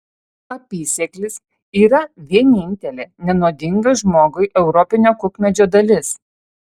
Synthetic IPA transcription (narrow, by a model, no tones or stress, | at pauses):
ɐpʲiːsʲɛklʲɪs | iːɾɐʋʲiɛnʲɪnʲt̪ʲɛlʲeːnʲɛnoːd̪ʲɪŋɡɐʒmoːɡʊɪʔɛʊɾɔpʲɪnʲoːkʊkmʲɛd͡ʒʲoːd̪ɐlʲɪs